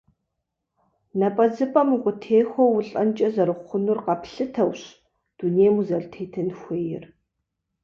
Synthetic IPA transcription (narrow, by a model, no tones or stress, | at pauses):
nɐpʼɐd͡zɨpʼɐmqʷʊtʰeːxʷowʊɬʼɐnt͡ʃʼɐzɐɾɨχʷʊnurqɐpʰɬɨtʰɐwɕ | d̥uneːmuzɐɮtʰeːtʰɨnxʷeːjɪ̰r